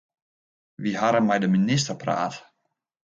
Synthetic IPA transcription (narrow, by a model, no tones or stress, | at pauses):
ʋiɦaɾənmɛjdəminɪs̬təpra̰ːt